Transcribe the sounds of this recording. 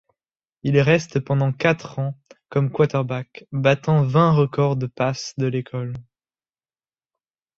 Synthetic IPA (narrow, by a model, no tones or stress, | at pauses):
ilʁɛst̪pɑ̃d̪ɑ̃kat̪χɑ̃kɔmkwat̪ɛʁbakbat̪ɑ̃vɛ̃ʁəkɔʁd̪əpasd̪əlekʰɔl